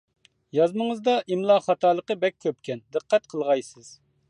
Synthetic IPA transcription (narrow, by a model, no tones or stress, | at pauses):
jɑzməŋəzd̪ɑʔimlˠɑχɑt̪ɑːlˠəqəbɛkʲʰːøp̚kʲʰɛnd̪ɨqʰːɛt̪̚qʰəlˠʁɑjsɨz̥